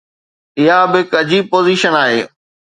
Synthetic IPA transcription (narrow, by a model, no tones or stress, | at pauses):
ɪɦabɪɦɪkɐd͡ʑiːb̚poːziːʃənaːɦḛː